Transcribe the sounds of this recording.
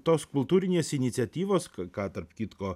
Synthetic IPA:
t̪oːskʊlˠt̪uːɾʲɪnʲeːsɪnʲɪt̪sʲɛt̪ʲiːʋoːskkɑːt̪ɐɾpkʲit̪koː

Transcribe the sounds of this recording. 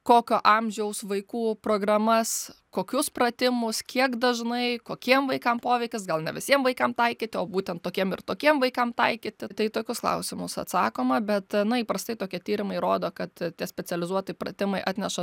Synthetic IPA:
koːkʲoʔɐmʲʒʲɛʊsʋɐɪkuːproːɡrɐmɐskoːkʲʊsprɐt̪ʲɪmʊskʲiɛkd̪ɐʒnɐɪkoːkʲiɛmʋɐɪkɐmpoːʋʲɛɪkʲɪsɡɐlˠnʲɛʋʲɪsʲiɛmʋɐɪkɐmt̪ɐɪkʲit̪ʲɪoːbuːt̪ʲɛnt̪tːoːkʲiɛmɪrt̪oːkʲiɛmʋɐɪkɐmt̪ɐɪkʲit̪ʲɪt̪ɐɪt̪oːkʲʊsklˠɐ̰ʊsʲɪmʊsɐ̰t̪sɑːkoːmɐbʲɛt̪nʊiːpɾɐst̪ɐɪt̪oːkʲiɛt̪ʲiːɾʲɪmɐɪɾoːd̪oːkɐt̪tʲiɛsʲpʲɛt͡s̪ʲɛlʲɪzuɔt̪ɐɪprɐ̰t̪ʲɪmɐɪʔɑːt̪ʲnʲɛʃɐ

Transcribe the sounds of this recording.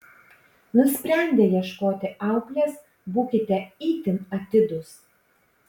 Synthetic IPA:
nʊsʲpʲɾʲɛnʲd̪ʲeːjiɛʃkoːt̪ʲɪʔɑˑʊklʲeːs | buːkʲɪt̪ʲɛiːt̪ʲɪnɐt̪ʲɪd̪ʊs

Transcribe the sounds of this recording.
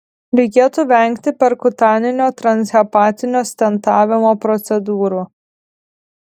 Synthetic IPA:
ɾʲɛɪkʲeːt̪uʋʲɛŋʲkt̪ʲɪpʲɛɾkʊt̪ɑːnʲɪnʲoːt̪ɾɐnʲsʲɛpɑːt̪ʲɪnʲoːsʲt̪ʲɛnt̪ɑːʋʲɪmoːpɾɔt̪sʲɛd̪uːɾuː

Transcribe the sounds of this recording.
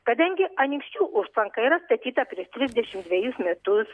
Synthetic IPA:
kɐd̪ɐŋʲɡʲɪʔɐnʲɪŋksʲt͡ʃʲuːʔʊʃt̪lˠɐŋkɐiːɾɐst̪ɐt̪ʲiːt̪ɐpʲɾʲɪɛʃt̪ʲɾʲɪzʲd̪ʲɛʃʲɪmd̪ʲʋʲɛjʊsmʲɛt̪ʊs

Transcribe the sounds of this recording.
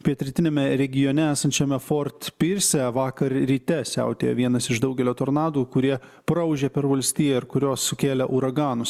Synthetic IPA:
pʲiɛt̪ʲɾʲɛt̪ʲɪnʲeɛmʲɛɾʲɛɡʲɪjoːnʲɛæːsɐnʲt͡ʃʲɛmʲɛfoːɾt̪pʲɪɾʲsʲɛʋɑːkɐɾɾʲiːt̪ʲɛsʲæ̰ʊt̪ʲḛːjɛʋʲiɛnɐsɪʃd̪ɐʊɡʲɛlʲoːt̪oːɾnɑːd̪uːkʊɾʲiɛ | pɾɐʊʒʲɛpʲɛɾʋɐlʲsʲt̪ʲiːjɛɪɾkʊɾʲoːsːʊkʲeːlʲɛʔuːɾɐɡɑːnʊs

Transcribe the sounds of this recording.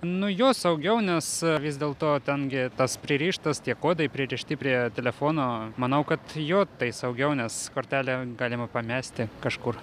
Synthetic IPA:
nʊjoːsɐʊɡʲɛʊnʲɛsʋʲɪzd̪ʲeːlˠt̪oːt̪ʲɛnɡʲɪt̪ɐspʲɾʲɪɾʲiːʃt̪ɐst̪ʲiɛkoːd̪ɐɪpʲɾʲɪɾʲiʃʲt̪ʲɪpʲɾʲiɛt̪ʲɛlʲɛfoːnoːmɐnɐʊkɐt̪joːt̪ɐɪsɐʊɡʲɛʊnʲɛskoːɾʲt̪ʲæːlʲɛːɡɑːlʲɪmɐpɐmʲæːsʲt̪ʲɪkɐʃkʊr

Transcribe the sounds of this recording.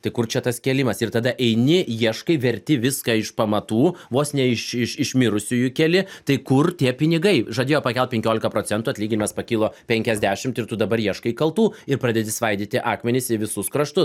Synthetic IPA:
t̪ɐɪkʊrt͡ʃʲɛt̪ɐskʲɛlʲɪmɐsɪrt̪ɐd̪ɐʔɛɪnʲɪjiɛʃkɐɪʋʲɛɾʲt̪ʲɪʋʲɪskɐɪʃpɐmɐt̪uːʋoːsnʲɛɪʃɪʃɪʃmʲɪɾʊsʲʊjʊkʲɛlʲɪt̪ɐɪkʊrt̪ʲiɛpʲɪnʲɪɡɐɪʒɐd̪ʲeːjoːpɐkʲɛl̚ˠpʲɛŋʲkʲoːlʲɪkɐpɾoːt͡s̪ʲɛnt̪uːɐt̪ʲlʲiːɡʲɪnʲɪmɐspɐkʲiːlˠoːpʲɛŋʲkʲɛzʲd̪ʲæːʃʲɪmt̪ɪrt̪ʊd̪ɐbɐɾjiɛʃkɐɪikɐlˠt̪uːɪɾpɾɑːd̪ʲɛd̪ʲɪsʋɐɪd̪ʲiːt̪ʲɪʔɑːkmʲɛnʲɪsɪʋʲɪsʊskɾɐʃt̪ʊ

